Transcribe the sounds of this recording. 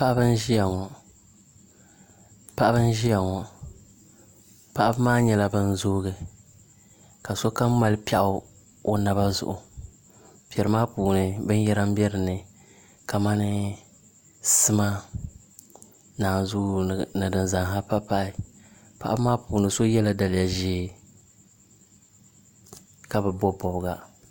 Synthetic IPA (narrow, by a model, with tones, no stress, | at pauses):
pa˦ʔa˦bɨ˦n˦ʒi˦ja˨ŋɔ˨ | pa˦ʔa˦bɨ˦n˦ʒi˦ja˨ŋɔ˨ | pa˦ʔa˦bɨ˦maː˦ɲɛ˨la˦bɨ˦n̩˦zoː˦ɣɨ˨ | ka˨so˦ka˦m˦ma˨lɨ˦pa˨ʔʊ˦ | o˦na˨ba˦zʊ̰˨ʔʊ˨ | pi˨ɛ˨ɾɨ˨˦maː˦puː˨nɨ˨bɨ˦n˦jɛ˦ɾa˦m˦bɛ˦ɾɨ˨nɨ˨ | ka˨ma˦nɨ˦ | sɨ˦ma˦ | naː˨n˨zʊ˦nɨ˨dɨ˨nza˨ŋɦa˦pa˦pa˦ɪ˨ | pa˨ʔa˦bɨ˦maː˦puː˨nɨ˨so˦jɛ˦la˦da˨lɪ˨ja˨ʒeː˦˨ | ka˨bɛ˨bɔ˦bɔ˨bɨ˨ɡa˨